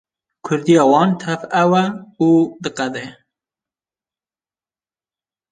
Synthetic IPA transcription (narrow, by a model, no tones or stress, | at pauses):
kʰʊɾd̪ijɑːwɑːnt̪ʰɛvɛwɛuːd̪ɨqɛd̪e